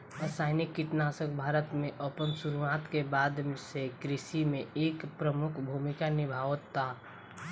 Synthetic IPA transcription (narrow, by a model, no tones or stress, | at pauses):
əsaːɪnɪkːɪt̪naːsəkbʱaːɾət̪mẽʔəpənsuɾʋaːt̪kebaːd̪msekɾɪsimẽeːkpɾəmʊkʰbʱumɪkanɪbʱaːʋət̪ːa